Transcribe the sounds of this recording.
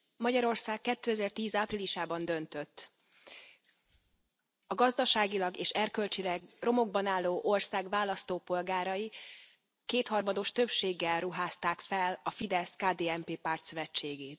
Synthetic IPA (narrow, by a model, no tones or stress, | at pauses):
mɒɟɒɾo̞rsaːkːɛt̪ːøːɛzɛrt̪iːzaːpriliʃaːbɒnd̪ø̞nt̪ø̞t̪ː | ɒɡɒzd̪ɒʃaːɡilɒɡeːʃɛrkø̞lt͡ʃilɛɡro̞mo̞ɡ̚bɒnaːlːoːʔo̞rsaːɡvaːlːɒst̪oːpo̞lɡaːɾɒji | keːt̪hɒrmɒd̪o̞ʃt̪øpʃeːɡːɛlruɦaːst̪aːkfɛlɒfid̪ɛskaːd̪eːɛmpeːpaːrt̪søvɛt͡ʃːeːɡeːt̪